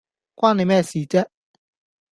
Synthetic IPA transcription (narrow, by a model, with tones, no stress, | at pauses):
kwʷaː˥ne˨˧jmɛː˥˩siː˨t͡sɛː˥